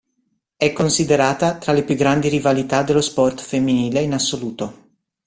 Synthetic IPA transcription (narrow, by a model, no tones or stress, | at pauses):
ɛkːonsid̪eɾaːt̪at̪ɾalepjuɡɾand̪iɾivalit̪ad̪elːospɔrt̪femːiniːleinasːoluːt̪o